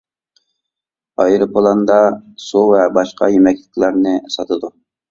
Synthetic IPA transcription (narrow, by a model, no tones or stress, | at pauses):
ɑjɾɨpʰolˠɑnd̪ɑsuvɛbɑʃqʰɑ̰jemɛkʲlɪkʲlˠæɾnɪsɑt̪ʰɨd̪u